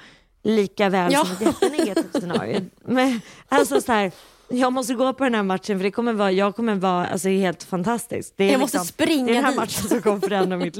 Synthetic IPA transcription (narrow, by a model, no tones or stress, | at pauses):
liːkavɛːlsɔmɛt̪jɛlanɛɡat̪ʰiːvsɛnɑ̰ːɾɪ̰ʊ̰mɛnalsɔsæːɾ | jɑːɡmɔs̬t̪əɡoːpʰɔd̪ɛnhæːɾmat̪ʂənfœɖɛkʰɔmːəɾvɑːjɑːɡ̚kʰɔmːəɾvɑːa̰lsɔd̪ɛheːlt̪fant̪ʰast̪ɪ̰sk̚d̪ɛːɾɔskt̪sɔmɾɪŋːɛdɛnæːmat̪ʂənsɔmkʰɔmːfœɾɛnd̪ɾamɪt̪